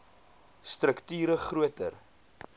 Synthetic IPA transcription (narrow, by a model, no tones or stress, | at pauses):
strəktyːɾəχruətər